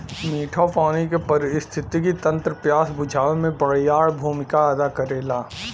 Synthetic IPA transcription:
miːʈʰapaːnikepɐɾɪɪst̪ʰɪt̪ikit̪ɐ̃nt̪ɾəpjaːsbʊd͡ʒʱaːʋemẽbɐɽ̤jaːɽbʱuːmɪkaɐd̪akɐɾeːlaː

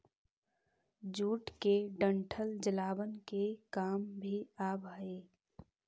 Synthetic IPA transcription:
d͡ʒuːʈkeɖə̃ɳʈʰəld͡ʒəlaːbənkekaːmbʱiaːbʱaeː

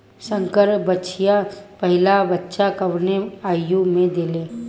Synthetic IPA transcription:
sə̃ŋkəɾbətːt͡ʃʰijapəɦɪlabətːʃakəʋneaːjjumẽd̪eleː

